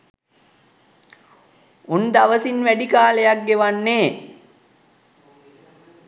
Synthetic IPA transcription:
und̪aʋəsinʋæɖikaːləjak̚ɡeʋanːeː

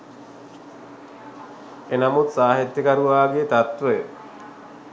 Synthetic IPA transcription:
enamut̪saːɦet̪jəkaɾuʋaːɡeːt̪at̪ʋəjə

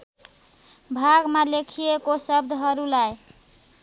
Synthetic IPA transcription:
bʱaɡmalekʰijekosʌb̚d̪ʱɦʌɾulaj

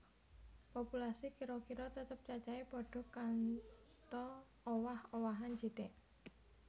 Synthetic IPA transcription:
pɔpulasikiɾɔkiɾɔt̪ət̪əp̚t͡ʃat͡ʃaipɔɖ̥ɔ̤kan | t̪ɔ | owahowaɦand͡ʒi̤t̪ɛʔ

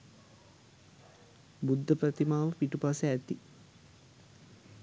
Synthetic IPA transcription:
bud̪ʱːəprət̪imaːʋəpiʈupasəæt̪i

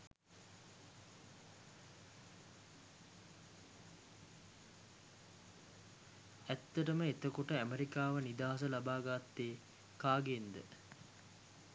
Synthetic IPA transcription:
æt̪ːɐʈəməet̪əkoʈəæmeɾikaːʋənid̪aːɦɐs̬əlabaːɡat̪ːeː | kaːɡend̪ə

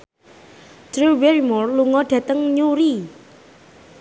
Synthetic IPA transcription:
dɾuwɛɾimɔrluŋɔɖ̥ä̤t̪əŋɲuɾi

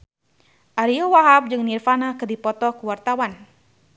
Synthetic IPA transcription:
ʔaɾiɔwaɦap̚d͡ʒɨŋnirfanakɨdipɔt̪ɔkəwart̪awan

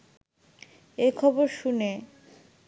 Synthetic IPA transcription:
ekʰɔboɾʃune

